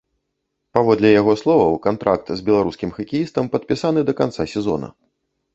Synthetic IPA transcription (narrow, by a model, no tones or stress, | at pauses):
pavɔd̪lʲɛjaɣɔslˠɔvɐwkant̪ɾʔa̰k̚t̪zʲbʲɛlˠaɾuskʲimxɐkʲijist̪ɐmpɐt̪̚pʲisanɨd̪ɐkant̪sasʲɛzɔ̰nɐ̰